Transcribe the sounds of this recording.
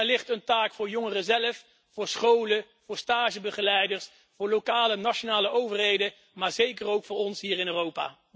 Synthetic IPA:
ɛlɪχtəntaːkfʊːɹjɔŋərəzɛləf | fʊːɹsχowlə | vʊːɹstaːʒəbəχəlɛjdəɹs | fʊːɹlokaːlənɑʃonaːləʔowvərɦejdə | maːɹzejkərowkfʊːɹɔnsɦiːrɪnøːrowpa̰ː

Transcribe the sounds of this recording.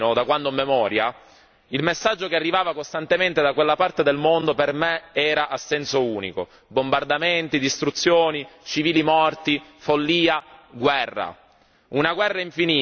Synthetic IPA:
nod̪akwand̪omemɔːɾja | ilmesːad͡ʒːokearːivaːvakost̪ant̪ement̪ed̪akwelːapart̪ed̪elmond̪opermeɛːɾaʔasːɛnsouːnḭko̰ | bombard̪ament̪id̪ist̪ɾut̪sːjoːnit͡ʃiviːlimɔrt̪ifolːiːaɡwɛrːa̰ | unaɡwɛrːaiɱfiniː

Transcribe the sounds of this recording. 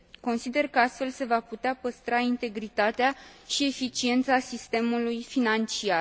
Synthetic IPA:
ko̞nsid̪e̞rkəast̪fe̞lse̞vaput̪eapəst̪ɾaint̪e̞ɡɾit̪at̪eaʃie̞fit͡ʃie̞nt̪sasist̪e̞mulujfinant͡ʃiar

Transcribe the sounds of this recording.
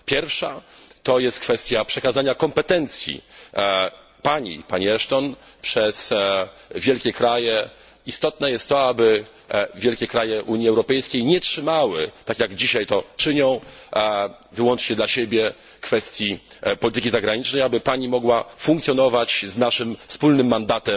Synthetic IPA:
pʲjɛɾfʂat̪ɔjɛst̪̚kfɛst̪ʲjapʂɛkazaɲakɔmpɛt̪ɛnt̪sʲjḭ | paɲḭpaɲiɛʂt̪ɔnpʂɛs | vʲjɛlkʲɛkɾajɛ | ist̪ɔt̪nɛjɛst̪ːɔabɘ | vʲjɛlkʲɛkɾajɛʔuɲiɛwɾɔpɛjskʲejɲɛtʂɘmawɘt̪akʲjaɡd͡ʑiɕajt̪ɔt͡ʂɘɲɔ̃w̃ | vɘwɔnt͡ʂɲɛd̪laɕebʲjɛ | kfɛst̪ʲjipɔlʲit̪ɘkʲizaɡɾaɲit͡ʂnɛjabɘpaɲimɔɡwafũŋkt̪sʲjɔnɔvat͡ɕznaʂɘmfspulnɘmːand̪at̪ɛm

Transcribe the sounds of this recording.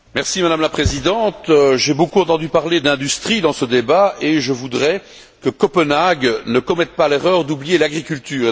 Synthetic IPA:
mɛʁsimad̪amlapχezid̪ɑ̃t̪ʒebokuɑ̃t̪ɑ̃d̪ypaʁled̪ɛ̃d̪yst̪χid̪ɑ̃səd̪ebaeʒəvud̪ʁɛ | kəkɔpənaɡnəkɔmɛt̪̚paleʁœːʁd̪ublijelaɡʁikʲylt̪yːʁ

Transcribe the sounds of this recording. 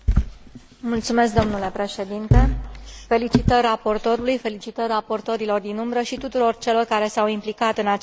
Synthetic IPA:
mult̪sume̞s̬k̚d̪o̞mnule̞pɾe̞ʃe̞d̪int̪e̞fe̞lit͡ʃit̪ərapo̞rt̪o̞ɾulujfe̞lit͡ʃit̪ərapo̞rt̪o̞ɾilo̞rd̪inumbɾəʃit̪ut̪uɾo̞rt͡ʃe̞lo̞rkaɾe̞sawimplikat̪ɨnat͡ʃ

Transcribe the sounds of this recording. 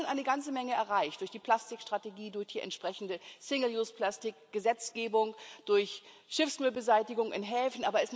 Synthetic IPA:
nʔaɪnəɡant͡səmɛŋəɛɐʁaɪçd̥ʊɐçd̥iːpʰl̥astɪkʃtʁ̥ateɡiːdʊɐçd̥iːʔɛ̰ntʃpʁ̥ɛçn̩dəsɪŋl̩juːspl̥astɪkɡ̥əzɛt͡sɡ̥eːbʊŋd̥ʊɐç | ʃɪfsmʏlbəzaɪtɪɡʊŋʔɪ̰nɦɛːfn̩ʔaːbɐɛsm

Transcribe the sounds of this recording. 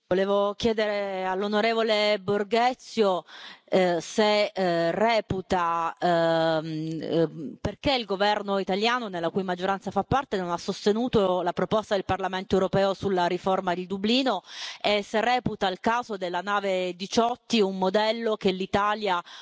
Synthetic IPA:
voleːvokjɛːd̪eɾealːonoɾeːvoleborɡɛt̪sːjo | serɛːput̪a | perkeilɡovɛrnoit̪aljaːnonelːakujmad͡ʒːoɾant̪safapːart̪enonasːost̪enuːt̪olapɾopɔst̪ad̪elparlament̪oewɾopɛːosulːaɾiformad̪eld̪ubliːnoesːerɛːput̪ailkaːzod̪elːanaːved̪it͡ʃɔt̪ːiumːod̪ɛlːokelːit̪aːlja

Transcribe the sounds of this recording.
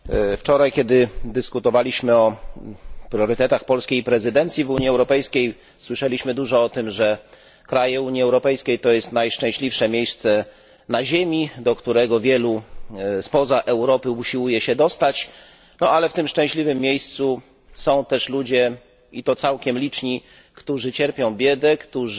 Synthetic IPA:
ft͡ʂɔɾajkʲɛd̪ɘd̪ɘskut̪ɔvalʲiɕmɘɔ | pɾʲjɔɾɘt̪ɛt̪axpɔlskʲejpɾɛzɘd̪ɛnt̪sʲjivuɲiɛwɾɔpɛjskʲej | swɘʂɛlʲiɕmɘd̪uʐɔɔt̪ɘmʐɛ | kɾajɛuɲjiɛwɾɔpɛjskʲejt̪ɔjɛst̪najʂt͡ʂɛ̃ɕlʲifʂɛmʲjejst̪sɛ | naʑemʲid̪ɔkt̪uɾɛɡɔvʲjɛluspɔzaʔɛwɾɔpɘuɕiwujɛɕɛd̪ɔst̪at͡ɕ | nɔalɛft̪ɘmʂt͡ʂɛ̃ɕlʲivɘmːjejst̪su | sɔ̃w̃t̪ɛʂlud͡ʑɛ | it̪ɔt̪sawkʲɛmlʲit͡ʂɲi | kt̪uʐɘt͡ɕɛɾpʲjɔ̃w̃bʲjɛd̪ɛkt̪uʐ

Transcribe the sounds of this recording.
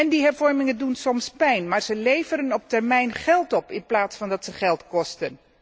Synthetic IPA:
ɛndiɦɛɹvɔɹmɪŋəndunsɔmspɛjnmaːɹz̥əlejvəɾənɔp̚tɛɹmɛjnχɛlˠtɔpɪnplaːtsfɑndɑtsəχɛlˠtkɔstən

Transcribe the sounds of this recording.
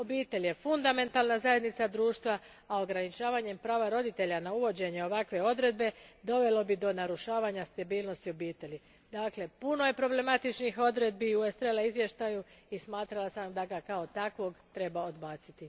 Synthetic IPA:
o̞biːt̪e̞ʎje̞fund̪ame̞nt̪alnazaje̞d̪nit̪sad̪ɾuːʃt̪ʋa | ao̞ɡɾanit͡ʃaːʋaɲe̞mpɾaːʋaɾo̞d̪it̪e̞ʎanauʋo̞d͡ʑe̞ɲeo̞ʋakʋe̞o̞d̪ɾe̞d̪be̞d̪o̞ʋe̞lo̞bid̪o̞naɾuʃaːʋaɲast̪abiːlˠno̞st̪iobiːt̪e̞li | d̪aːkle̞puno̞je̞pɾo̞ble̞mat̪it͡ʃnixo̞d̪ɾe̞d̪biuest̪ɾelaizʋje̞ʃt̪ajuismaːt̪ɾalˠasamd̪aɡakao̞t̪akʋo̞ɡt̪ɾe̞baod̪baːt̪sit̪i

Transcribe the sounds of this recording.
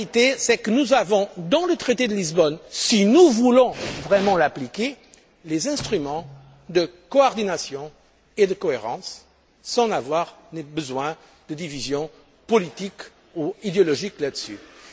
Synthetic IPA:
it̪esɛkənuzavɔ̃d̪ɑ̃lət̪χet̪ed̪əlizbɔnsinuvulɔ̃vʁɛmɑ̃laplike | lezɛ̃st̪χymɑ̃ | d̪əkɔɔʁd̪inasjɔ̃ | ed̪əkɔeʁɑ̰̃sː | ɑ̃navwaʁd̪ebəzwɛ̃ | d̪əd̪ivizjɔ̃ | pɔlit̪ik | uid̪eɔlɔʒiklad̪əsy̰

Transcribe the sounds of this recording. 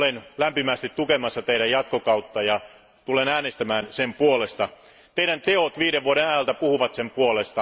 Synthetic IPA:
lenlæmpimæst̪it̪t̪ukemɑsːɑt̪eiɾæjɑt̪kokɑut̪ːɑjɑ | t̪ulenæːnest̪æmæːnsempuolest̪ɑ | t̪eiɾænt̪eot̪ʋiːɾeʋʋuoɾenæjælt̪æpuhuʋɑt̪sempuolest̪ɑ

